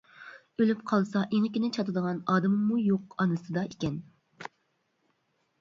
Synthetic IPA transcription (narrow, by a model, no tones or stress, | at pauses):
ølypqʰɑlˠsɑʔeŋɪkʲinɪt͡ʃʰɑt̪ɨd̪əʁɑnɑːd̪ɨmɨmːujoqɑnɨsɨd̪ɑʔekʲɛn